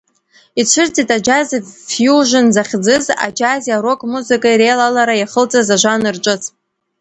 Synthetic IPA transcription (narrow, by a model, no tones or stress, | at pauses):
it͡ʃʷʰɨrt͡sʼitʼad͡ʒazfjuʒʷɨnzaχʲd͡zɨza̰d͡ʒazjaɾo̞kʼmuzɨkʼaiɾejlalaɾajaχəlt͡sʼazaʒʷanɨrt͡ʃʷʼɨt͡sʰʼ